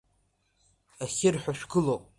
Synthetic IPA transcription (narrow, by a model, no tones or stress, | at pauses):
asʲɪrħʷᶣaʃᶣɡɨlowpʼ